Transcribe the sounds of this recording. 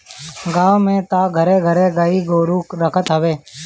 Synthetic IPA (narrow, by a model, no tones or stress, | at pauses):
ɡaːʋmẽːt̪aːɡʱəɾeːɡʱəɾeːɡaːiɡoːɾuːkɾəkʰət̪ɦəʋeː